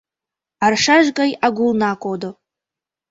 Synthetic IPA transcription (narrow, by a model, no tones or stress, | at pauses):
arʂaʒɡʼɐjaɡʷulnaːkʷʼod̪o